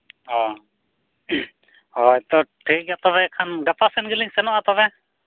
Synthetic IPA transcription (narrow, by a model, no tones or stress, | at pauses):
ɔ | ɔɛt̪ɔʈʰik̚jat̪ɔβɛkʰanɡapasɛnɡiliŋsɛnɔʔat̪ɔβɛ